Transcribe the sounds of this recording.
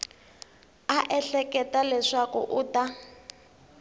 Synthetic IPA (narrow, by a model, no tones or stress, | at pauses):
aʔɛɬɛkɛtalɛʂakṵʔuːta